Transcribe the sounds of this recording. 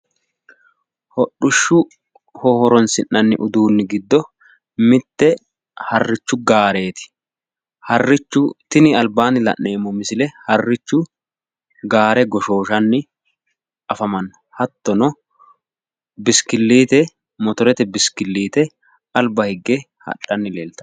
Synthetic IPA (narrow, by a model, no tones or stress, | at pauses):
hɔɗːʊʃːʊ | hɔhɔɾɔnsɪnːɐnːɪ̰ʔʊd̪uːnːɪɡɪd̪ːɔ | mɪt̪ːɛ | hɐrːɪt͡ʃːʊɡaːɾe̞ːt̪ɪ̥ | hɐrːɪt͡ʃːʊt̪ɪnɪɐlbaːnɪlɐ̰ʔːe̞ːmːɔmɪsɪlɛhɐrːɪt͡ʃːʊ | ɡaːɾɛɡɔʃo̞ːʃɐnːɪ | ɐfɐmɐnːɔ̥hɐt̪ːɔnɔ | bɪskɪlːiːt̪ɛ | mɔt̪ɔɾɛt̪ɛbɪskɪlːiːt̪ɛ | ɐlbɐhɪɡːe | hɐ̰ɗɐnːɪle̞ːlt̪ɐ̥